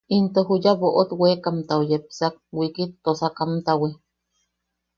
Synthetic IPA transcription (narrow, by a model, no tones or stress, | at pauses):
int̪oɦujaβoʔot̪wekamt̪aojepsak̚wikit̪ːosakamt̪awe